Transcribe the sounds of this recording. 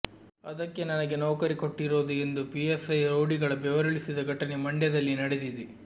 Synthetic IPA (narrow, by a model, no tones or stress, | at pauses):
ɐd̪ɐkːe̞nɐnɐɡe̞noːkɐɾikoʈːiɾoːd̪ue̞nd̪upiesɐjɾoːɽiɡɐɭɐbɛʋɐɾɐɭisid̪ɐɡʱɐʈɐnemɐɳɖjɐd̪ɐlːinɐɽed̪id̪i